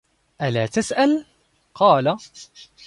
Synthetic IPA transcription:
ʔalaːt̪asʔal | qɑːla

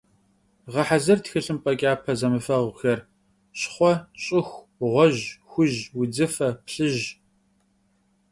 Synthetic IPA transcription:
ʁɐħazɐrtxɨɬɨmpʼɐkʲʼaːpʰɐzɐmɨfɐʁʷxɐr | ɕχʷɔɕʼɪxʷ | ʁʷɔʑxʷʊʑwʊd͡zɨfɐpɬɨʒ

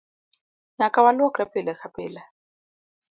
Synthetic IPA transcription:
ɲakʼawalakrɛpʼɪlɛxapʼɪːla

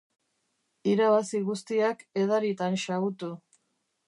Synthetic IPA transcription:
iɾaβasiɣust̪iake̞ð̞aɾit̪anʃaɣut̪u

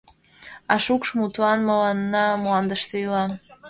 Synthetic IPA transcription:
ɑʃukʃmut̪uɑnmowɑnnɑmuɑnd̪əʃt̪eylˠɑ

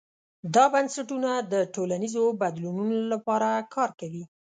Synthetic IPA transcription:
d̪ɑbansaʈunad̪əʈolanizobad̪lununolapɑɾakʰɑɾkawi

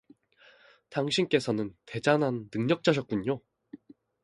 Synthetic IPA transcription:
taŋɕʰink͈e̞sʰʌnɯnte̞d͡ʑanɦanːɯŋɲʌk̚t͡ɕ͈ʌɕʰʌt̚k͈uɲo

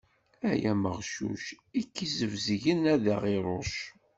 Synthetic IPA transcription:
æjæməʁʃṵʃ | ikːizəvzʝənæðəʁiɾˤoʃ

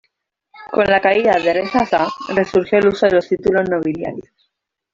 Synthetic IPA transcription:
ko̞nlakaiðaðeresasare̞suɾxjo̞eluso̞ðe̞lo̞st̪it̪ulo̞znoβilja̰ɾjos

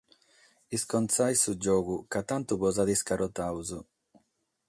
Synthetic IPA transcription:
iskɔnt̪sajsud͡ʒɔːɣukat̪ant̪uβɔzaðiskaɾɔt̪awzu

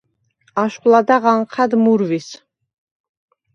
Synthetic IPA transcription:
aʃχʼlad̪aʁaɴqʰad̪muɾvis

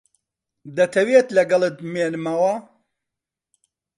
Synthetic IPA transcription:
d̪ɐt̪ʰɐwet̪lɐɡɐlˠɨt̪̚meːnɨmɐwɐ

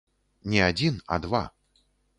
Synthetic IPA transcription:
nʲɛad͡zʲina̰d̪va̰

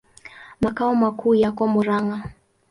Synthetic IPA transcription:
makaɔmakʰuːjakɔmuɾaŋɡa

